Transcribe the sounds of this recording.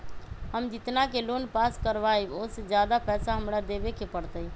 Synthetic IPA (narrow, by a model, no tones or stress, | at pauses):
həmd͡ʒɪt̪nakelonpaskəɾbaiosed͡ʒjad̪apɛːsaɦəmɾad̪ebekepəɽt̪əi